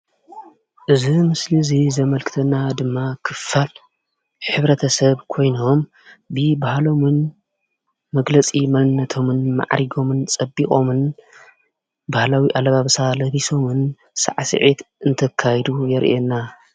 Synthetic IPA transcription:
ʔɨzimɨslizizɐmɐlkʰɨ̥t̪ʰɐnːad̪ɨmːakʰɨfal | ħɨβɾɐt̪ʰɐsɐβkʰo̞jno̞m | bɨbahlo̞mɨn | mɐɡlɐt͡sʼimɐlnːɐt̪ʰo̞mɨnma̰ʕɾiɡo̞mɨnt͡sʼɐbːikʼo̞mɨn | bahlawiʔalβaβsalɐβiso̞mɨn | sa̰ʕsɨ̰ʕit̪ʔɨnt̪ʰɐkʰːajd̪ujɛɾʔenːa

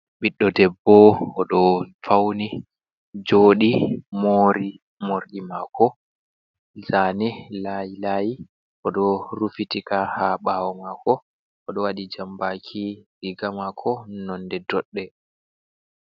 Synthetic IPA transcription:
ɓiɗːɔdɛbːɔɔɗɔfawni | d͡ʒoːɗimoːɾi | moɾɗimakɔ | zanilajilaji | ʔɔɗɔɾufitikahaɓaːwɔmakɔ | ʔɔɗɔwaɗid͡ʒambakʰiliɡamakʰːɔnɔndɛdɔɗːɛ

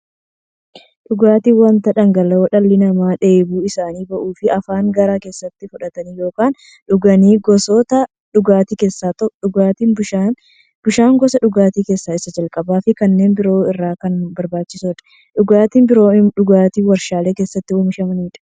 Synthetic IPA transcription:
ᶑʊɡaːt̪iːwɐnt̪ɐᶑɐŋɡɐlːɐwɔᶑɐlːɪnɐmaːᶑe̞ːbuːɪsaːniːbɐʔuːfɪʔɐfaːŋɡɐɾaːke̞ːsːɐt̪ːɪfʊᶑɐt̪ɐnijo̞ːkaːn | ᶑʊɡɐniːɡɔsɔt̪ɐ | ᶑʊɡaːt̪iːke̞ːsːaːt̪ɐᶑʊɡaːt̪iːnban | b̥ʊʃaːŋɡɔsɐᶑʊɡaːt̪iːke̞ːsːaːɪsɐd͡ʒɐlkʼɐbaːfɪkɐnːe̞ːnbɪɾo̞ːɪrːaːkɐnbɐɾbaːt͡ʃːɪsoːᶑɐ̥ | ᶑʊɡaːt̪iːnbɪɾoːᶑʊɡaːt̪iːwɐɾʃaːle̞ːke̞ːsːɐt̪ːɪwʊmɪʃɐmɐniːᶑɐ̥

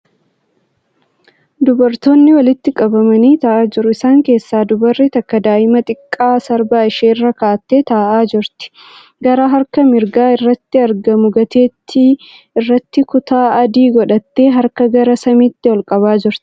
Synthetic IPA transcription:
d̪ʊbɐɾt̪o̞ːnːɪwɐlɪt̪ːɪkʼɐbɐmɐniːt̪ɐʔaːd͡ʒɪɾʊɪsaːŋke̞ːsːaːd̪ʊbɐrːit̪ɐkːɐd̪aːʔɪmɐt̪ʼɪkʼːaːsɐɾbaːɪʃeːrːɐkaːt̪ːe̞ːt̪ɐːʔaːd͡ʒɪɾt̪ɪ̥ | ɡɐɾaːɦɐɾkɐmɪɾɡaːɪrːɐt̪ːɪɐɾɡɐmʊɡɐt̪e̞ːt̪ʰːɪ | ɪrːɐt̪ːɪkʊt̪aːɐd̪iːɡɔᶑɐt̪ːe̞ːɦɐɾkɐɡɐɾɐsɐmiːt̪ːɪwɔlkʼɐβaːd͡ʒɪɾt̪ɪ̥

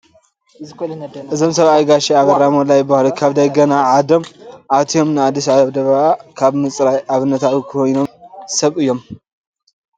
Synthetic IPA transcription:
ʔɨzo̞msɐβajɡaʃiaβɨɾamolajbahlokʰaβd̪ɐɡɐnaʕad̪omʔat̪ʰio̞mnɨad̪ːisaβd̪ɐβɐakʰaβnɨt͡sʼɾajʔaβɨnːɐt̪ʰawukʰojno̞msɐβɨjːo̞m

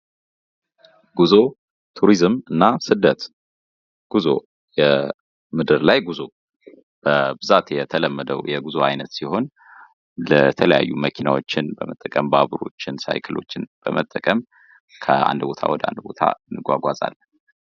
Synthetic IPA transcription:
ɡ̥uzo̞ | t̪ʰuɾizmɨnːasɨd̪ət̪ | ɡ̥uzo̞̰ | jɛ | mɨd̪ɨɾlajɡuzo̞ | b̥əbɨzat̪jɛt̪ʰələmːəd̪əwjɛɡuzoajnət̪siho̞n | lət̪ʰələja̰jːuməkʰinawo̞t͡ʃːɪnbəmət̪ʼːəkʼəmbaβɾo̞t͡ʃːɪnsa̰jkʰɨlo̞t͡ʃːɪnb̥əmət̪ʼːəkʼəm | kʰəa̰nd̪bo̞t̪ʰa̰wɔd̪əa̰nd̪bo̞t̪ʰa̰ɨnːɨɡʷaɡʷazʼa̰lː

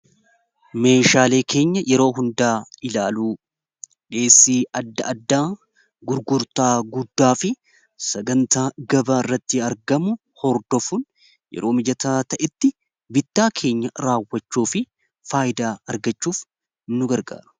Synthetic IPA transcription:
me̞ːʃaːle̞ːkʰe̞ːɲːɐjʔɛɾo̞ːɦʊnd̪aːɪlaːluː | ᶑe̞ːsːiːʔɐd̪ːɐʔɐd̪ːaː | ɡʊɾɡʊɾt̪aːɡʊd̪ːaːfɪ | sɐɡɐnt̪aːɡɐbaːɪrːɐt̪ːɪɐɾɡɐmʊ | hɔɾd̪ɔfun | jɛ̰ɾʔoːmɪd͡ʒɐt̪aːt̪ɐʔɛt̪ːɪ | bɪt̪ːaːkʰe̞ːɲːɐɾaːwːɐt͡ʃːuːfɪ | faːjɪd̪aːɐɾɡɐt͡ʃːuːf | nːʊɡɐɾɡa̰ːɾʊ̥

